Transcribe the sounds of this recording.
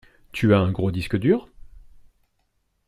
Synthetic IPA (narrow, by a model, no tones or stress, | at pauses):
t̪ʰyaɛ̃ɡʁod̪iskəd̪yːʁ